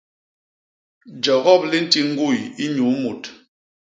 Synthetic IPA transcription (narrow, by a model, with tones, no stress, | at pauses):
d͡ʒa˨ɣɔ˦˨p̚li˦n̩˦ti˦ŋ̩˦ɡu˦˨ji˦ɲu˨˦mu˨t